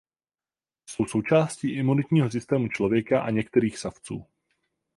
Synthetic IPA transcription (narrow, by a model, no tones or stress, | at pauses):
so̞wso̞wt͡ʃaːsciːʔɪmunɪt̪ɲiːɦos̬ɪst̪ɛːmut͡ʃlo̞vjɛkaʔa̰ɲɛkt̪ɛɾiːxsaft͡sṵː